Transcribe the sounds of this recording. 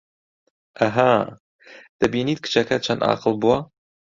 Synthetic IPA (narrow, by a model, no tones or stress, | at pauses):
ʔaɦa | d̪̥ɐbiːniːt̪̚kʰɨ̥t͡ʃɐkɐt͡ʃʰɐnɑ̰ːqɨlˠbuwa